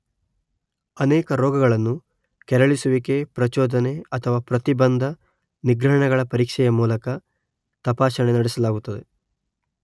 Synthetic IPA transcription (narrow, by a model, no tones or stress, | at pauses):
ɐnɛːkɐɾɔːɡɐɡɐɭɐnːu | kɛɾɐɭisuʋike̞pɾɐt͡ʃɔːd̪ɐneɐt̪ʰɐʋaːpɾɐt̪ibɐnd̪ʱɐ | niɡɾɐɦɐɳɐɡɐɭɐpɐɾiːkʂɛjɐmuːlɐkɐ | t̪ɐpaːʃɐɳenɐɽɛsɐlaːɡut̪ːɐd̪e̞